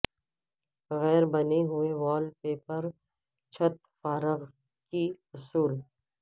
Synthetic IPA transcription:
ɣɛːɾbɐneɦʊeʋaːlpeːpəɾ | t͡ʃʰɐt̪ | faːɾəɣ | kiʊsuːl

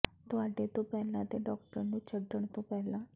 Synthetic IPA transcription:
t̪ʊaːɖet̪opɛːlãt̪eɖɔːk̚ʈəɾnũt͡ʃəɖəɳt̪opɛːlãː

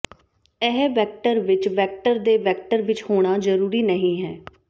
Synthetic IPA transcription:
ɛɦʋɛːk̚ʈəɾʋɪt͡ʃʋɛːk̚ʈəɾd̪eːʋɛːk̚ʈəɾʋɪt͡ʃhoːɽ̃aːzəɾuːɾiːnəɦĩːɦɛː

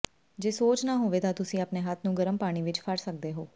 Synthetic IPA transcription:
d͡ʒeːsoːt͡ʃnaːɦoːʋeːt̪ãːt̪ʊsĩːaːpneːɦat̪ʰnũːɡəɾəmpaːɽ̃iːʋɪt͡ʃpʰəɾsək̚d̪eːɦoː

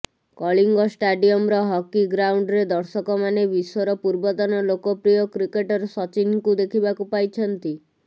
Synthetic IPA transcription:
kɔɭiŋɡɔsʈaɖiɔmɾɔɦɔkiɡɾawɳɖɾed̪ɔɾsɔkɔmanebisɔɾɔpuɾbɔd̪ɔnɔlokɔpɾijɔkɾikeʈɔɾsɔt͡ʃinkud̪ekʰibakupajt͡ʃʰɔnt̪i

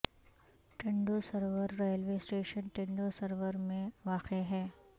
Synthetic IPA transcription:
ʈẽɳɖosɐɾʋəɾːɔːjəlʋeːsʈeːʃənʈẽɳɖosɐɾʋəɾmẽʋaːqeɦɛː

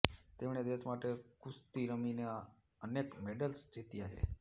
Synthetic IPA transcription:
t̪emɳed̪eʃmaʈekust̪iɾəminea | ənekmeɖəlsd͡ʒit̪ijat͡ʃʰḛ

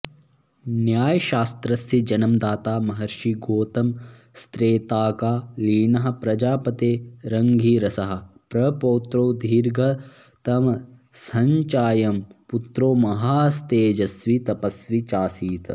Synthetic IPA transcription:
njaːjɐʃaːst̪ɾɐsid͡ʒɐnɐmd̪aːt̪aːmɐɦɐɾʃiɡoːt̪ɐm | st̪ɾeːt̪aːkaːliːnɐɦɐ̆pɾɐd͡ʒaːpɐt̪eːɾɐŋɡʱiːɾɐsɐɦɐ̆pɾɐpoːt̪ɾoːd̪ʱiːɾɡʱɐ | t̪ɐmɐ | sɐɲt͡ʃaːjɐmput̪ɾoːmɐɦaːst̪eːd͡ʒɐsʋit̪ɐpɐsʋit͡ʃaːsiːt̪ɐ

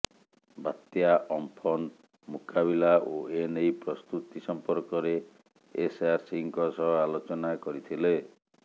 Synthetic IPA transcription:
bat̪jaʔɔmpʰɔn | mukabilaʔoenejpɾɔst̪ut̪isɔmpɔɾkɔɾeː | saɾsiŋkɔsɔɦɔalot͡ʃɔnakɔɾit̪ʰile

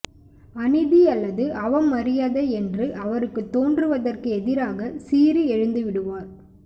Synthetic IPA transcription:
ɐnɪðiɐlːɐðɯʔɐʋɐmːɐɾɪjaːðɐɛndrɯʔɐʋɐɾɯkːɯt̪ːoːndrɯʋɐðɐrkɯɛðɪɾaːɣɐsiːɾiɛɻɯnd̪ɯʋɪɽɯʋaːɾ

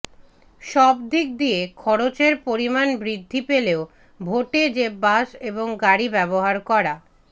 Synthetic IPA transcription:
ʃɔbd̪ik̚d̪iekʰɔɾot͡ɕeɾpoɾimanbɾid̪ʱːipeleo | bʱoʈed͡ʑebaʃeboŋɡaɾibɛboɦaɾkɔɾa

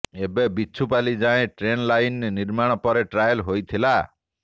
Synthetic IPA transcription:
ebebiːt͡ʃʰupalid͡ʒaẽʈɾenlajnniɾmaɽ̃ɔpɔɾeʈɾajɔlɦojt̪ʰila

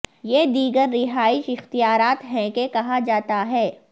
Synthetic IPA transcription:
jed̪iːɡəɾːɪɦaːɪʃɪxt̪ijaːɾaːt̪ɦɛ̃kekɐɦad͡ʒaːt̪aɦɛː

